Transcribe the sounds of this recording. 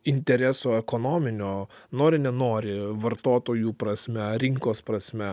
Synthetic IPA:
ɪnʲt̪ʲɛɾʲɛsoːɛkoːnoːmʲɪnʲoːnoːɾʲɪnʲɛnoːɾʲɪʋɐɾt̪oːt̪oːjuːpɾɐsʲmʲɛɾʲɪŋkoːspɾɐsʲmʲɛ

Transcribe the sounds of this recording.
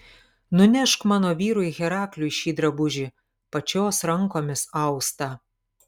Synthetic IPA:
nʊnʲɛʃkmɑːnoːʋʲiːɾʊːɪɣʲɛɾɑːklʲuːɪʃʲiːd̪ɾɐbʊʒʲiː | pɐt͡ʃʲoːsɾɐŋˑkoːmʲɪsɐʊst̪ɑ

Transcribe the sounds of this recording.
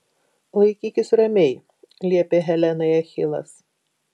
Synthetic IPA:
lˠɐɪkʲiːkʲɪsɾɐmʲɛj | lʲiɛpʲeɦʲɛlʲɛnɐɪɐxʲɪlˠɐ̰s

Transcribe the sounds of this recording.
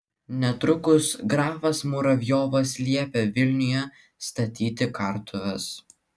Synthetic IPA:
nʲɛt̪ɾʊkʊsɡɾɑːfɐsmʊɾɐʋʲjoːʋɐslʲiɛpʲɛʋʲɪlʲnʲʊjɛ | st̪ɐt̪ʲiːt̪ʲɪkɐɾt̪ʰʊʋʲɛs

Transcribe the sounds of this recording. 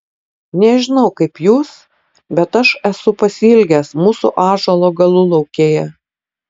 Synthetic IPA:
nʲɛʒʲɪnɒʊkɐɪpjuːs | bʲɛt̪ɐʃɛsʊpɐsʲɪlʲɡʲɛsmuːsṵʔɑːʒɐlˠoːɡɐlˠʊlˠɒʊkʲeːjɛ

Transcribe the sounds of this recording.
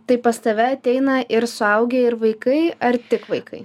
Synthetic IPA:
t̪ɐɪpɐst̪ɐʋʲɛɐt̪ʲɛɪnɐʔɪɾsʊɐʊɡʲeɪɾʋɐɪkɐɪɐɾt̪ʲɪkʋɐɪkʰɐɪ

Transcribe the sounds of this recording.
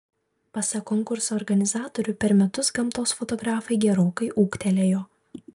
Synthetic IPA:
pɐsɐkɔŋkʊɾsoːɾɡɐnʲɪzɑːt̪oːɾʲʊpʲɛɾmʲɛt̪ʊsɡɐmt̪oːsfɔt̪ɔɡɾɑːfɐɪɡʲɛɾoːkɐɪʔuːkt̪ʲɛlʲeːjoː

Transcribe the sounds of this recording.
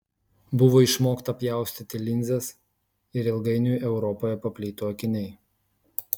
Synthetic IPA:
bʊʋoːɪʃmoːkt̪ɐpʲjæˑʊsʲt̪ʲɪt̪ʲɪlʲɪnʲzʲɛs | ɪɾɪlˠɡɐɪnʲuːʔɛʊɾɔpoːjɛpɐpʲlʲiːt̪oːɔkʲɪnʲɛɪ

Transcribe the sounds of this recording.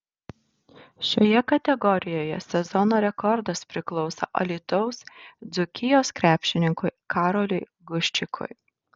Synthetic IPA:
ʃʲoːjɛkɐt̪ʲɛɡɔɾʲɪjoːjɛ̰sʲɛzɔnoːɾʲɛkɔɾd̪ɐspʲɾʲɪklˠɔʊsɐ̰ʔɐ̰lʲiːt̪ɔʊsd̪zʊkʲɪjoːskɾʲæːpʲʃʲɪnʲɪŋkʊɪkʰɑːɾolʲʊɪ | ɡʊʃʲt͡ʃʲɪkʰʊ̰j

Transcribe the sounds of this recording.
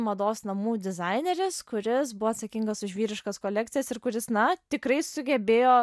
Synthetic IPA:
mɐd̪oːsnɐmuːd̪ʲɪzɐɪnʲeɾʲɪskʊɾʲɪsbʊʋoːt̪sɐkʲiŋɡɐsʊʒʋʲiːɾʲɪʃkɐskoːlʲɛkt̪sʲɪjɛsɪɾkʊɾʲɪsnɐt̪ʲɪkrɐɪsʊɡʲɛbʲeːjoː

